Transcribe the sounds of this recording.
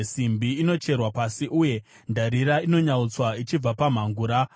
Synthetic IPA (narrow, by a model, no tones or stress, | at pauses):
simbiːno̞t͡ʃe̞rwapasiʔuje̞ | ndʱaɾiɾaino̞ɲaut͡swait͡ʃib͡vapam̤aŋɡuːɾa